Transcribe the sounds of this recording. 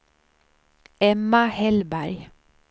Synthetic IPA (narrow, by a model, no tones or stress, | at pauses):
ɛmɑhɛlbæɾ